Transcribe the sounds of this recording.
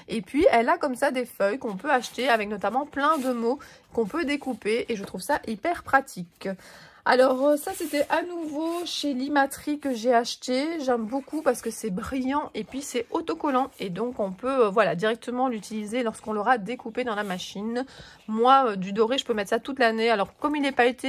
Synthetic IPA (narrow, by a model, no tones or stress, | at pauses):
epɥiɛlakɔmsad̪efœjkɔ̃pøaʃt̪eavɛknɔt̪amɑ̃plɛ̃d̪əmokɔ̃pød̪ekupeeʒət̪χuvsaʔipɛʁpχat̪ʰik | a̰lɔʁsaset̪ɛʔanuvoʃelimat̪χikəʒeaʃt̪eʒɛmbokupaʁsə̥kəsɛbʁijɑ̃ʔepɥisɛɔt̪ɔkɔlɑ̃ed̪ɔ̃kɔ̃pøvwalad̪iʁɛk̚t̪əmɑ̃lyt̪ilizelɔʁskɔ̃lɔʁad̪ekuped̪ɑ̃lamaʃinmwaød̪yd̪ɔʁeʒəpømɛt̪χsat̪ut̪lanealɔʁkɔmilɛpaet̪e